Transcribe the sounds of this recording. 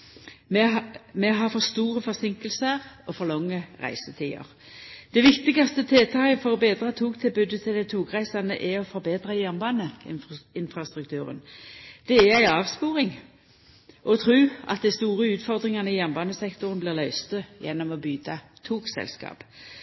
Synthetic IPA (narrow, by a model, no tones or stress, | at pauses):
mɛɦɑfɔst̪uːʁəfɔʁsɪŋkəlsəʁɔfɔlɔŋːəʁæ̰ɪsət̪ʰiːə̰ʁ | d̪̥ɛʋɪkt̪ɪɡɑst̪ət̪ʰeːt̪ʰɑːɡəfɔʁɔbeːd̪ɾɑt̪ʰuːkt̪ʰɪlbʉd̪ət̪ʰɪld̪æɪt̪ʰuːkʁæɪsɑnd̪əʔɛɔfɔɾbeːd̪ʁɑjænbɑnəɪnfʁɑst̪ɾʉk̚t̪ʉːɾə̰nd̪̥ɛæʁæɪɑːʋspuːɾɪŋ | ʔɔt̪ʰʁɾʉːɑ̰t̪̚d̪æɪst̪uːɾəʉːt̪fɔʁd̪ʁɪŋɑnəɪjænbɑːnəsɛkt̪ʊɾənblɪːʁlœʏst̪əjɛnːɔmɔbyːt̪ʰɑt̪ʰuːksɛ̰lskɑ̰ːp